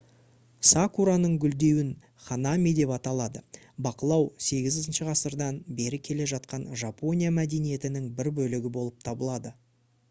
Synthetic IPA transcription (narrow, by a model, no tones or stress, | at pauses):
sakuɾanəɴɡʲʏld̪e̞wɪn | χanamʲid̪e̞pɑt̪ɑlˠɑd̪ə | bɑqəlˠɑwse̞ɡʲɪzɪzɪnʃəʁɑsəɾd̪ɑnbe̞ɾɪkʲʰe̞le̞ʒɑt̪̚qɑnʒapo̞nʲijamæd̪e̞nije̞t̪ɪnɪŋbɪɾbɵlɪɡʲɪbo̞lˠəp̚t̪ʰɑbəlˠɑd̪ə